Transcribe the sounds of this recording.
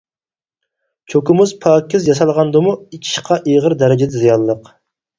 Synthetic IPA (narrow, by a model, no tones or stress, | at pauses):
t͡ʃʰokʊmʊzpʰɑːkʲːɪzjɑs̬ɑlˠʁɑnd̪ɨmuikʲʰi̥ʃqʰɑʔeʁəɾd̪ɛɾɪd͡ʒɪd̪ɪzijɑlˠːəq